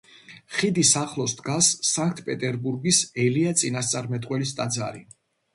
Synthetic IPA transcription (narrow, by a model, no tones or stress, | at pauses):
χid̪isaχlˠɔsd̪ɡasːaŋk̚ʰt̪ʰpʼɛt̪ʼɛɾbuɾɡisɛliat̪sʼinast̪sʼaɾmɛt̪ʼqʼwɛlist̪ʼad̪za̰ɾi